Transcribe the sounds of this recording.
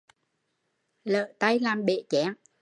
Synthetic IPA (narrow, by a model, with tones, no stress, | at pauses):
lə̰ː˧˨t̪a˧jlaː˨˩mɓḛ˧˨t͡ɕaː˨˦ŋ